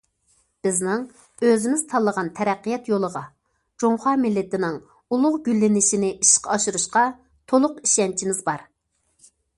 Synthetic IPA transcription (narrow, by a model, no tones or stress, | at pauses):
b̥ɪznɪŋ | øzɪmɪz̥t̪ʰɑlˠːəʁɑnt̪ʰɛɾɛqːijɛt̪jolˠəʁɑ | d͡ʒoŋχɑmɪlːɪt̪ɪnɪŋ | ulˠʊʁɡʲylːɪnɪʃinɪʔiʃqɑɑʃuɾuʃqɑ | t̪ʰolˠʊqiʃɛnt͡ʃʰimɪzbɑɾ